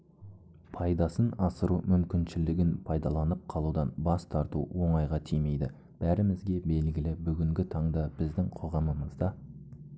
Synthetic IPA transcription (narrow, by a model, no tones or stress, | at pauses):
pʰɑjd̪ɑsənɑsəɾumʏmkʲɪnʃɪlɪɡʲɪnpʰɑjd̪ɑlˠɑnəp̚qʰɑlˠud̪ɑnbɑst̪ʰɑɾt̪ṵwo̞ɴɑjʁɑt̪ʰijme̞jd̪ɪ | b̥æɾɪmɪzɡʲe̞be̞lɡʲɪlɪbʏɡʲɪŋɡʲɪt̪ʰɑɴd̪ɑb̥ɪzd̪ɪŋqʰo̞ʁɑməməzd̪ɑ